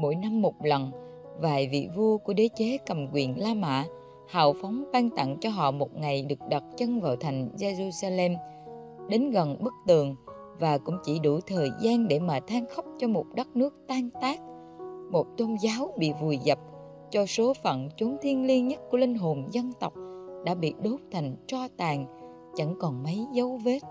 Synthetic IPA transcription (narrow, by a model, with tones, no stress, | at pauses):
mo̰˧˥jna˧mːo˨˩t̚lə˨˩n | vaː˨˩jvḭ˧˨vu˧əku˧˩əɗe˨˦t͡ɕe˨˦kə˨˩mkwḭ˧˨ənlaː˧ma̰ː˧˨ | ha̰ː˧˨wfɔ˨˦wŋ͡mɓaː˧ŋt̪a̰˧˨ŋt͡ɕɔ˧ɦɔ̰˧˨mo˨˩t̚ŋa˨˩jɗɨ˨˩ək̚ɗə˨˩t̚t͡ɕə˧ŋvaː˨˩wt̪ʰa˨˩jŋ̟ze˧zu˧saː˧lɛ˧m | ɗe˨˦nɣə˨˩nɓɨ˦˥k̚t̪ɨ˨˩əŋ | vaː˨˩kʊ̰˧˥ŋ͡mt͡ɕi˧˩ɗu˧˩t̪ʰəː˨˩jzaː˧nɗe˧˩maː˨˩t̪ʰaː˧ŋxə˦˥wk͡p̚t͡ɕɔ˧mo˨˩t̚ɗə˦˥t̚nɨ˦˥ək̚t̪aː˧ŋt̪aː˦˥k̚ | mo˨˩t̚t̪o˧nzaː˨˦wɓḭ˧˨vu˨˩jzə˨˩p̚ | t͡ɕɔ˧so˨˦fə̰˧˨nt͡ɕu˨˦nt̪ʰi˧ənli˧ənɲə˦˥t̚ku˧˩əlï˧ŋ̟ɦo˨˩nzə˧nt̪ə˨˩wk͡p̚ɗa̰ː˧˥ɓḭ˧˨ɗo˨˦p̚t̪ʰa˨˩jŋ̟t͡ɕɔ˧t̪aː˨˩ŋ | t͡ɕə̰˧˥ŋkɔ˨˩nmə˨˦jzə˨˦wve˦˥t̚